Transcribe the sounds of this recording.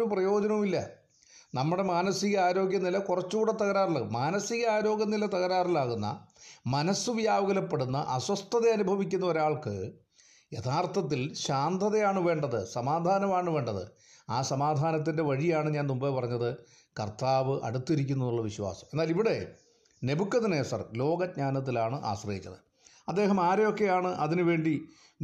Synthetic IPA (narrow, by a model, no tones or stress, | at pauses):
uprɐjo̞ːd͡ʑɐnɐumilːɐ | nɐmːuɽe̞maːnɐsiɣɐaːɾo̞ːɡjɐnilɐkurɐt͡ɕːuuːɽet̪ːɐɣɐɾaːrilamaːnɐsiɣɐaːɾo̞ːɡjɐnilɐt̪ɐɣɐɾaːrilaːɣunːɐ̰mɐnɐsuʋjaːʋɐɡɐlɐpːe̞ɽunːɐʔɐswɐst̪ʰːɐðeɐnubʱɐʋikʲːunːɐo̞ɾaːɭkɨ̰ | je̞t̪ʰaːrt̪ʰɐt̪̬ːilɕaːnd̪ʰʱɐðɐjaːɳɨʋe̞ːɳɖɐðɨsɐmaːd̪ʱaːnɐmaːɳɨʋe̞ːɳɖɐðɨ̰ | aːsɐmaːd̪ʱaːnɐt̪̬ːinde̞ʋɐɻijaːɳɨɲaːnumbɐpɐrɐɲːɐðɨ | kɐ̰rt̪aːʋɨʔɐ̰ɽut̪ːiɾikʲːunːɐðuɭːɐʋiɕwa̰ːsɐ̥me̞nːaːliʋiɽe̞ | ne̞bukːɐðineːsɐ̰rlo̞ːɡɐt̚ɲaːnɐt̪̬ːilaːɳɨʔa̰ːɕrɐjikʲːɐðɨ | ɐd̪ːe̞ːɦɐmaːɾejo̞kːe̞jaːɳɨʔɐðinɨʋe̞ːɳɖi